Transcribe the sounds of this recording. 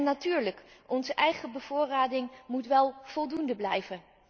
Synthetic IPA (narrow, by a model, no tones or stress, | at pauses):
natyːɹləkʔɔnzəʔɛjχəbəv̥ʊːraːdɪŋmutʋɛlˠv̥ɔlˠdundəblɛjvə